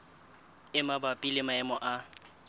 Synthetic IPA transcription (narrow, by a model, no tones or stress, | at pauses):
ɪmabapʼilɪmaɛmɔʔa